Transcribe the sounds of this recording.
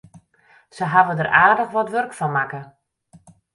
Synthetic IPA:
səɦaʋədəraːrdəxʋɔtʋørkfɔnmakə

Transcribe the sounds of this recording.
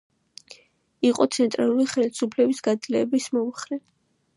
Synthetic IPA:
iqʼɔt̪sʰɛnt̪ʼɾalˠuliχɛlisupʰlɛbisɡ̥ad̪zlɛːbismɔmχɾɛ

